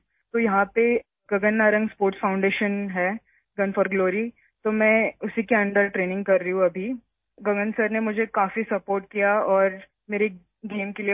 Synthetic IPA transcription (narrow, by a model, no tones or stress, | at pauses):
t̪oːjɐɦãpe | ɡɐɡənːaːɾə̃ŋɡspoːɾʈsfʰaːʊ̃ɳɖeːʃənɦɛː | ɡɐnfəːɾɡloːɾi | t̪oːmɛ̃ːʊsikeɐ̃ɳɖəɾʈɾeːnɪ̃ŋɡ̚kɐɾːɐiũɐbʱi | ɡɐɡənsəɾnemʊd͡ʒʱekaːfisɐpoːɾʈ̚kijaɔːɾ | meːɾe | ɡeːmkelie